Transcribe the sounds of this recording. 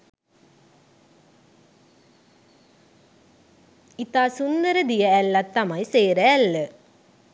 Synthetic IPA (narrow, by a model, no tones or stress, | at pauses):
it̪aːsund̪ɐɾɐd̪ijɐælːat̪ːɐmɐjseːɾɐælːə